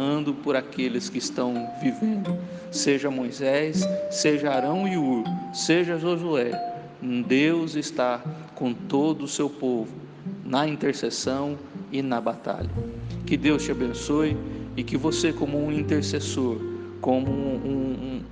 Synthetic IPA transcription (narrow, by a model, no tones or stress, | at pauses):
ɐ̃nd̪ʊpoɾakelɪskɪːst̪ɐ̃w̃vivẽnd̪ʊ | seʒɐmojzɛsːeʒɐaɾɐ̃w̃iuɾseʒɐʒozuɛ | d̪ewzɪst̪a | kõt̪od̪ʊːsewpovʊ | nɐĩnt̪eɾsesɐ̃w̃ | ɪnɐbat̪a̰ʎɐ̰kɪd̪ewst͡ʃɪabẽsojɪɪkɪvosekõmʊũĩt̪eɾsesoɾ | kõmʊũ